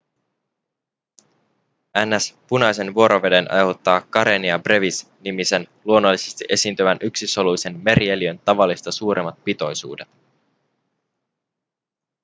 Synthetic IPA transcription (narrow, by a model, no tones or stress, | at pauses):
ænːæspunɑjse̞nʋuo̞ɾo̞ʋe̞de̞nʔɑ̰jɦot̪ːɑːkːɑɾeniɑbre̞ʋis | nimise̞nluo̞nːo̞lːise̞st̪iʔe̞siːnt̪yʋænʔyksiso̞lujse̞nme̞ɾie̞liø̞nt̪ɑʋɑlːist̪ɑsuːɾʔe̞mːɑt̪̚pit̪o̞jsṵːde̞t̪